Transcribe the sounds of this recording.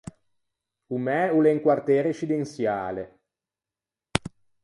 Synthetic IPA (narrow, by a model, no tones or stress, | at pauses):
umɛuleŋkwart̪eːɾeʃid̪ensjaːle